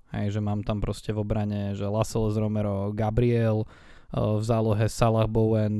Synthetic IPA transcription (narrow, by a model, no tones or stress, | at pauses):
hɛ̰jʒɛmaːmt̪ampɾɔscɛvɔbɾaɲɛʒɛlasɛlɛzɾɔmɛɾɔɡabɾiɛl | vzaːlɔɦɛsalaɣbɔʊɛn